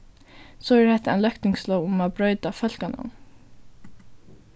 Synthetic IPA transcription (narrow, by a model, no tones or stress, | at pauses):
sɔɛɾhɛht̪ːaɛnlœkt̪ɪŋkslɔwʊmaːbɾœʏt̪afœlkanʊ̰n